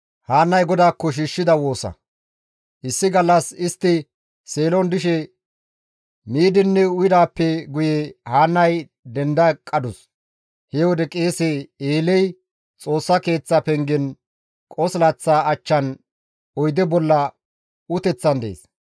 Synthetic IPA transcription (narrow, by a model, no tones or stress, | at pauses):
haːnːɐjɡɔd̪aːkːɔʃ̬iːʃːɪd̪ɐwo̞ːsɐ̰ | ʔɪsːɪɡɐlːɐsɪst̪ːɪ | se̞ːlɔnd̪ɪʃɛ | miːd̪ɪnːɛʊjɪd̪aːpːɛɡʊjɛhaːnːɐj | d̪ɛnd̪ɐkʼːɐd̪ʊs | hɛwɔd̪ɛkʼe̞ːsɛeːlɛj | t͡sʼo̞ːsːɐke̞ːt͡sːɐpɛŋɡɪn | kʼɔslɐt͡sːaːɐt͡ʃːɐn | ɔjd̪ɛbɔlːɐ | ʊt̪ɛt͡sːɐnd̪ḛːs